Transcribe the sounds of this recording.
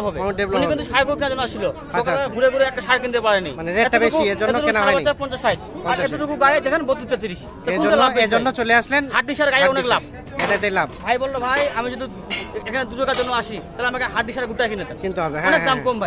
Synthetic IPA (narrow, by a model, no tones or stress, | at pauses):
abʱɦɔbeebluniint̪uʃaɾkokinad͡ʑonːoɔaʃilo | koklaɡʱuɾeɡuɾeɛk̚ʈaʃaɾkind̪epaɾenḭjmaneɾeɛtːobekuieoɛoɾunaabat͡ɕːapɔnt͡ɕaʃajtɔaɾɛt̪oʈukuɡajd͡ʑekʰanbot̪ːit͡ɕːet̪̬iɾiʃ | t̪auelaed͡ʒonːot͡ɕoleaʃlenhaʈ̚ɖiʃaɾɡajaoneklab̚ | ed̪et̪elabbʱajbɔlːobʱajamid͡ʑod̪i | ekʰaned̪uʈokad͡ʑonːoaʃit̪aleamakeɦaʈ̚ɖiʃaɾeɡuʈajkinet̪aint̪uɔbeɔnek̚d̪amkombʱaj